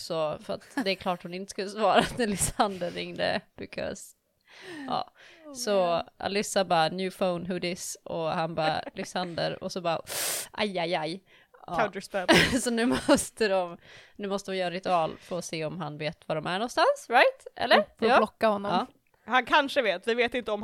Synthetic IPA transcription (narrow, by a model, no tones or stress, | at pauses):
sɔfœɾa̰t̪d̪ɛːkʰlɑːʈhʊnɪnt̪ə̥skɵlːəsvɑːɾat̪ɛlɪsand̪əɾːɪŋd̪ə̰b̥ɪkʰɔ̰s | ɑ̰ːsɔʔa̰lɪsːabɑnjʉːfoʊnɦʉd̪ɪsʔɔhanbɑːlɪsand̪ə̰ɾɔ̰sɔbɑːʔa̰jajaj | ɑaʊd̪əsbɛsɔnʉ̟ːmɔst̪əd̪ɔmnʉ̟ːmɔst̪əɔmjœːɾnɾɪt̪ɵɑːlfoːseːɔmɦanveːt̪vad̪ɔmæɳɔnst̪ansɾajt̪ʔɛ̰lːəɾfolɔkːahɔnːɔɑː | hankʰanʂəveːt̪vɪveːt̪ɪnt̪əɔm